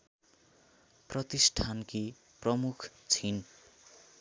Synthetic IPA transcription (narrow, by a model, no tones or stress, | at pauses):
prʌt̪isʈʰanki | prʌmukʰt͡sʰin